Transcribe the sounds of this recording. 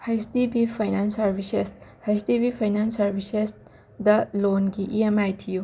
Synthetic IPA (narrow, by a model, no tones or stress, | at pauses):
hajstibipʰajnansɐɾbʱiseshɐjstibipʰajnansɐɾbʱises | d̪ɐlonɡiʔiemajtʰiju